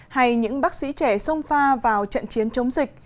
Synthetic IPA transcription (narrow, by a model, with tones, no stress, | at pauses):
ha˧jɲɨ̰˧˥ŋɓaː˦˥k̚sḭ˧˥t͡ɕɛ˧˩sə˧wŋ͡mfaː˧vaː˨˩wt͡ɕə̰˧˨nt͡ɕi˨˦ənt͡ɕə˨˦wŋ͡mzï˨˩k̟̚